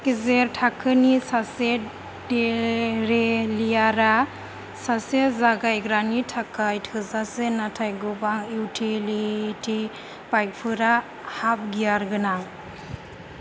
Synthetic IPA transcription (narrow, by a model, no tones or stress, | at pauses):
kizeɾtʰakʰɯnisase | deɾelijaɾa | sasezaɡajɡɾanitʰakʰajtʰɯzasenatʰajɡubaŋiwtʰilitʰi | paj̚pʰɯɾa | hap̚ɡijaɾɡɯnaŋ